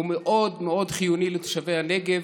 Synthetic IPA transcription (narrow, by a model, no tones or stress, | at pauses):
umeʔo̞d̪meo̞dχijunilet̪o̥ʃavejhaneɡev